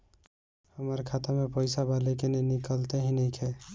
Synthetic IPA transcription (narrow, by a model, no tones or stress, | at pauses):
həməɾkʰat̪amepəɪsabalekenenikəlt̪eɦĩnəjkʰe